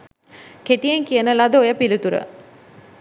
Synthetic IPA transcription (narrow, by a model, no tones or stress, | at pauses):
keʈijeŋkijənəlad̪əojəpilut̪uɾə̰